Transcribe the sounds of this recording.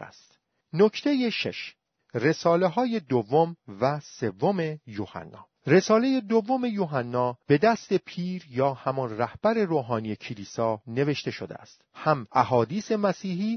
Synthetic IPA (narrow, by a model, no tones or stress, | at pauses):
st̪ | nocʰt̪ʰe̞je̞ʃḛʃ | re̞sɒːle̞ɦɒːje̞d̪ovːo̞mvæse̞vːome̞joːhæ̰nːɒ̰ː | re̞sɒːle̞je̞d̪ovːome̞joːɦænːɒːb̥e̞d̪æst̪e̞pʰiːɾjɒːhæmɔnræhb̥æɾe̞ɾoːɦɒːnije̞cʰiliːsɒːne̞ve̞ʃt̪e̞ʃod̪ḛæ̰st̪hæmʔæɦɒːd̪iːse̞mæsiːɦiː